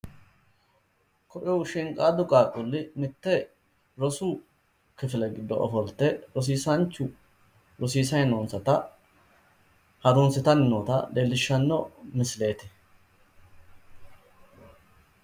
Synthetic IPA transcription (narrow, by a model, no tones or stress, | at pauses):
kɔʔɛwʃɪŋkʼaːd̪ʊkʼaːkʼʊlːɪmɪt̪ːɛ | ɾɔsuː | kɪfɪlɛɡɪd̪ːɔɔ̰fɔlt̪ːɛɾɔs̬iːsɐnt͡ʃːʊ | ɾɔsiːs̬ɐjnoːnsɐt̪ɐ | hɐd̪ʊnsɪt̪ɐnɪnoːt̪ɐ̰d̪eːlːɪʃːɐnːɔmɪsle̞ːt̪ɪ̥